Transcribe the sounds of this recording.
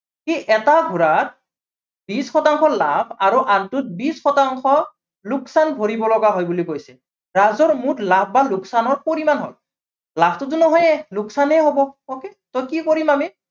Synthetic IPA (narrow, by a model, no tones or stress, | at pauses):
kiʔɛtaɡʱuɹat̚ | bisxɔtaŋxɔlapʰaɹuʔantut̚bisxɔtaŋxɔ | lʊksanbʱoɹibɔlɔɡaɦɔjbulikojsɛ | ɹazɔɹmutlap̚ʰbaluksanɔɹpoɹimanɦɔ̰j | lapʰtʊt̬ʊnɔɦɔjɛluksanɛɦobɔɔketɔjkikoɹimami